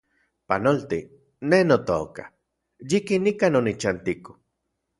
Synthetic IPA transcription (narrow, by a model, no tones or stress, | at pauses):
panolt̪i | nenot̪oːka̰ | jikinikanonit͡ʃant̪iko̥